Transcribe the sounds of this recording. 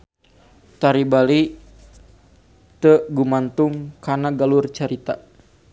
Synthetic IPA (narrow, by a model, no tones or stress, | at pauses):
t̪aɾibali | t̪əɡumant̪uŋkanaɡalurt͡ʃaɾit̪a